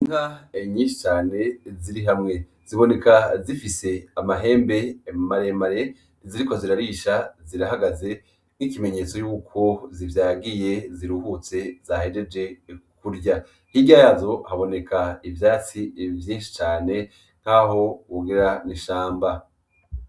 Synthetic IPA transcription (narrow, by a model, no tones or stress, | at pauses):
ŋaeɲiːnʃi̥t͡ʃaːne̞ziɾiɦamŋe̞ | z̥iβo̞ne̞kazifise̞amaɦe̞ːmbe̞maɾe̞maɾe̞ | ziɾiko̞ziɾaɾiʃaziɾaɦaɡaze̞ | n̥ikime̞ɲe̞ːt͡so̞juːkʰo̞zivjaːɡije̞ziɾuhut͡se̞zahed͡ʒe̞d͡ʒe̞kuɾɟa | hiɟajazo̞haβo̞ne̞kʰaivjaːt͡sivjiːnʃi̥t͡ʃaːne̞ | ŋ̥haho̞uɡiɾaniʃaːmba